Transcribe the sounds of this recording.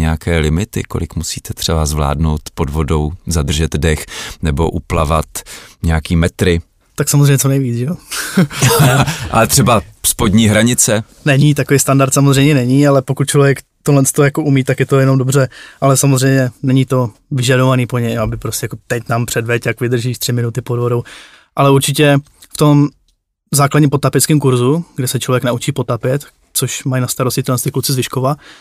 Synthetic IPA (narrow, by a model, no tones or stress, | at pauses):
ɲɛjakʰɛːlɪmɪt̪ɪ̰ko̞̰lɪ̰kmusiːt̪ɛt̪r̝̥ɛbazvla̰ːdno̞wt̪po̞dvo̞do̞wzad̪r̩ʒɛd̪dɛxnɛbo̞̰ʔuplavat̪ɲɛakiːmɛt̪ɾɪ | t̪aksamozrejmɲɛt͡sonɛjviːt͡sʒɛjo | ʔa̰lɛt̪r̥ɛbaspodɲiːɦɾaɲɪt͡sɛ | nɛɲit̪akoviːst̪andaɾt̪samozrɛjmɲɛnɛɲiːalɛpo̞kut̪̚t͡ʃlovʲjɛkt̪odlɛnst̪ojako̞ʔumiːt̪akjɛt̪ojɛno̞mdo̞br̝ɛʔalɛsamozr̝ɛjmɲɛnɛɲit̪o̞ | vɪʒado̞vaniːpoɲɛjabɪpɾoscɛjako̞t̪ɛcnaːmpr̥ɛdvɛcjakvɪd̪r̩ʒiːʃt̪r̥ɪmɪnut̪ɪpodvo̞dow | ʔalɛuɾt͡ʃɪcɛ | ft̪o̞m | zaːkladɲiːmpot̪apjɛt͡skɪːmkuɾzuɡdɛsɛt͡ʃlo̞vjɛknaut͡ʃiːpo̞t̪apjɛt̪ | t͡soʃmajnast̪aɾoscʲɪt̪ilɛnst̪ɪklut͡sɪzvɪʃkova